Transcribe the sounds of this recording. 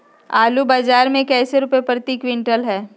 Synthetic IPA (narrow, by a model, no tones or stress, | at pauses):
aːlubaːd͡ʒaːɾmẽkɛːseɾʊpepɾət̪iːkʋɪ̃ɳʈəlɦɛː